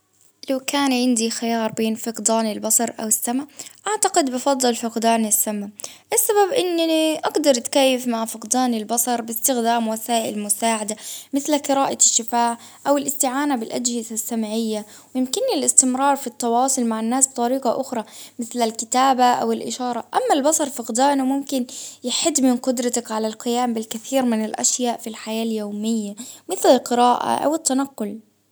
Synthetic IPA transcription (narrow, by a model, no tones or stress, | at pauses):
lawkaːnʕɪnd̪ixajɑːɾˤbeːnfɪqd̪aːnɪlbɑsˤɑɾˤʔa̰wɪsːamaʔaʕt̪aqɪd̪bɑfɑd̪ˤːɨlfɪqd̪aːnɪsːamaʔɪsːababʔɪnːiʔɑɡd̪ɑɾˤt̪kajːɪfmaʕfɪqd̪aːnɪlbɑsˤɑɾˤbɪst̪ɪxd̪aːmwasaːʔɪ̰lmʊsaːʕad̪amɪθlaqɨɾaːʔaʃːɪfaːʕ | ʔawɪlʔɪst̪ɪʕaːnabɪlʔad͡ʒhɪzasːamaʕɪjːa | wjɪmkɪnːɪlʔɪst̪ɪmɾˤɑːɾˤfit̪ˤːɑwɑːsˤʊlmaʕɪnːaːsb̥̚t̪ˤɑɾiːqɑʔʊxɾˤɑmɪθlalkɪt̪aːbaʔa̰wɪlʔɪ̰ʃɑːɾˤɑʔamːalbɑsˤɑɾˤfaɣd̪aːnumʊmkɪnjɪħɪd̪ːmɪnqʊd̪ɾˤɑt̪akʕalalqɪjaːmbɪlkaθiːɾmɪnɪlʔa̰ʃjaːʔfilħajaːljoːmɪjːamɪθlɪlqɨɾaːʔa̰ʔa̰wɪt̪ːanaqːʊl